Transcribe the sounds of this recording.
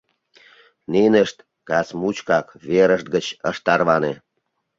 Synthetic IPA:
ninəʃt̪ | kɑsmut͡ɕkɑkβeɾəʃt̪̚ɡət͡ɕəʃt̪ɑrβɑne

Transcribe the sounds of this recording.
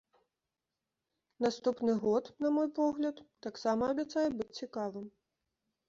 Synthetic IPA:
nast̪upnɨɣɔt̪nɐmɔjpɔɣlʲɐt̪ːaksamɐːbʲɛt̪sajɛbɨt͡sʲt͡sʲikavɨm

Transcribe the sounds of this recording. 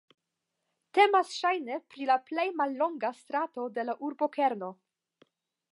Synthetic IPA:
te̞masʃajne̞pɾilaple̞jmalːo̞ŋɡast̪ɾato̞de̞laʔuɾbo̞ke̞ɾno̞

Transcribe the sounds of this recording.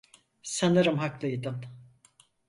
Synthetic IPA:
sanɯɾɯmɦaklˠɯjd̪ɯm

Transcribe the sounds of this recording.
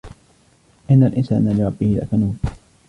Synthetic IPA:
ʔɪnːalʔɪnsa̰ːnalɪɾˤɑbːɪhɪla̰ʔkanuːn

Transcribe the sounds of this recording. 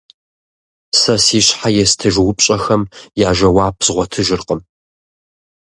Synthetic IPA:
sɐsiːɕħajɛstʰɐʒwʊpʼɕʼɐxɐmjaːʒɐwaːpʰz̥ʁʷɔtʰɨʒɨrqʼəm

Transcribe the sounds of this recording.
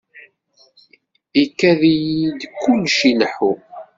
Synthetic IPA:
ikːæðijid̪kːʊlːʃiləħu

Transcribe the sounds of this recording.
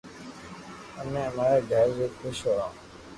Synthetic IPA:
əmẽːəmaːɾaːɡʱəɾzoːkʰʊʃoːãː

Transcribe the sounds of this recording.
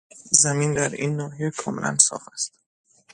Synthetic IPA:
zæmind̪æɾinːɒːɦijekʰɒːmḛlʔæ̰nsɒ̰ːχæst̪̚

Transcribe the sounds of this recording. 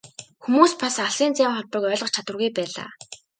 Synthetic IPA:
xumuːspasaɮiːnt͡sæːmχɔɮpə̆kœːɮʁɞ̆χt͡ɕʰat̪wə̆rɣujpæːɮa̰ː

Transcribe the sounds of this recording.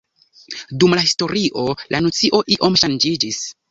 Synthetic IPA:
dumlahisto̞ɾiʔo̞lʔanot͡siʔo̞ʔiʔo̞mʃand͡ʒid͡ʒis

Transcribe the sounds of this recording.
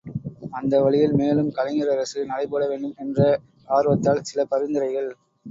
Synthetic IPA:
ɐnd̪ɐʋɐɭɪjɪlmeːlɯmkɐlɐŋɪɾɐɾɐsɯnɐɽɐɪpoːɽɐʋeːɳɖɯmɛndrɐ | aːɾɯʋɐt̪ːaːlsɪlɐpɐɾɯnd̪ɪɾɐɪɣɐɭ

